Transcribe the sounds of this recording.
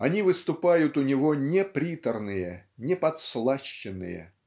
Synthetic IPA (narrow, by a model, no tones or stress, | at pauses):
ɐnʲivɨst̪ʊpajʊt̪ʊnʲɪvonʲepɾʲit̪ərnɨjənʲɪpɐt̪slˠaɕːɪnːɨ̰jə̰